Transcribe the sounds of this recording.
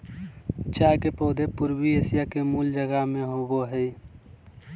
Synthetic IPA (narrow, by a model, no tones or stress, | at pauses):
t͡ʃaːkepoːd̪ʱepʊɾwieːsɪjakemuːld͡ʒəɡamẽɦoɡoɦɛː